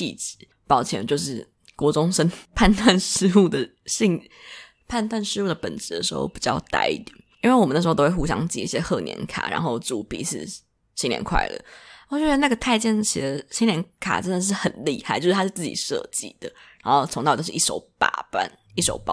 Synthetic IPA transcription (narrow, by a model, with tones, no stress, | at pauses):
ḭ˥˧t͡s̩˧˦ | pɑ˨˩ʊt͡ɕʰjɛ˧˥nt͡ɕjo˥˧ʊʂ̬ɻ̩˥˩ | kwɔ˧˥ʈ͡ʂʊ˥ŋʂə˥npʰa˥˧nt̪ʰwa˥˧nʂɻ̩˥u˥˩d̪ə˩ | ɕi˥˧ŋ | pʰa˥˧nt̪wa˥˧nʂɻ̩˥u˥˩d̪ə˩pə˨˩nʈ͡ʂɻ̩˧˥d̪ə˧ʂɻ̩˧˥xo̰˥˧ʊpi˨˩t͡ɕjɑ˥˧ʊt̪a̰˧˥ɪḭ˥˩t̪jɛ˨˩˦ni˥nwe˥˩wɔ˨˩m˨˦n̩˥˧˥wu˥˧jɑ̰˥ŋt͡ɕḭ˥˩i˥˩ɕjɛ˦˥xɤ˥˩njʔɛ̰˧˥nkʰa̰˨˩ɻa̰˧˥nxo˥˧ʊt͡su˨˩pḭ˧˥˦ʂ̩˥˩ | ɕi˥ŋljɛ̰˧˥nkʰwa̰˥˩ɪlə̰˨˦˧t͡ɕjo˥˩˥na˥˩ɡə˩t̪ʰa˥˧ɪt͡ɕjɛ˥˩nɕi˧˥d̪ə˧˦ɕi˥nljɛ˧˥nkʰa̰˨˩ʈ͡ʂə˥nd̪ə˨˩ʂ̬ɻ̩˥˩xə˨˩nli˥˧xa˥˩ɪt͡ɕo˥˧ʊʂ̩˥t̪ʰa˥ʂt͡s̩˥˩t͡ɕḭ˨˩ʂɤ̰˥˧t͡ɕḭ˥˧˩d̪̥ə˨ɻa˧˥nxo˥˩ʊt͡sʰŋt̪ɑ˥˧t̪o˥ʊʂ̩˥˧i˥˩ʂo̰˧˥ʊpa̰˨˩pa̰˥˧˩n | i˥˩ʂo˨˩ʊpɑ˨